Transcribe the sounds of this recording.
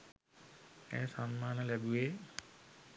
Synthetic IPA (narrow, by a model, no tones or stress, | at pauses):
ɛ̰ːsanmaːnəlɛbueː